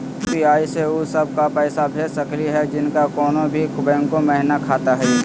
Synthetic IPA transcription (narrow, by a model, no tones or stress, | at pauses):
piaːiseusɐb̚ʱkapɛːsabʱesɐkliɦɛd͡ʒɪnkakɔːnõbʱikʊbɛ̃ːŋkomɛɦɪnakʰaːt̪aɦɛː